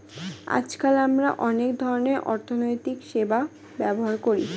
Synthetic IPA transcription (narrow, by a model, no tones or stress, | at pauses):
a̰t͡ɕd͡ʑkalamɾa̰ʔɔnekd̪ʱɔɾoneɾʔɔɾt̪ʰonojt̪ikʃeba | bɛboɦaɾkoɾḭ